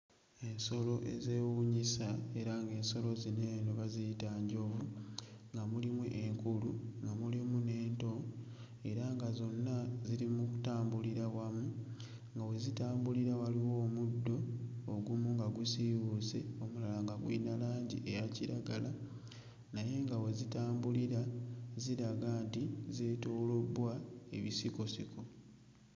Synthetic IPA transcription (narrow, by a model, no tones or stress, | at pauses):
e̞nso̞lo̞ʔe̞̰ze̞ːwuɲisae̞ɾaŋɡe̞ːnso̞lo̞zinenoβaziitaːɲɟo̞vuŋɡamulimwḛʔːŋkuluŋɡamulimune̞ːnto̞ | e̞ɾaŋɡazo̞nːaziɾimuku̥taːmbuliɾawamu | ŋɡawe̞zitaːmbuliɾawaliwo̞ːmudːo̞ːɡumuŋɡaɡusiwuse̞o̞mulalaŋɡaɡwḭnalaːɲɟiʔejaciɾaɡala | naje̞ŋɡawe̞zitaːmbuliɾaziɾaɡantize̞ːtoːlo̞bːwae̞βisiko̞siko